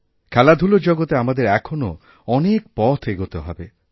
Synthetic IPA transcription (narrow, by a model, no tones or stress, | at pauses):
kʰɛlad̪ʱulod͡ʒɔɡot̪eamad̪eɾɛkʰono̰ | ɔnek̚pɔt̪ʰeɡot̪eɦɔ̰be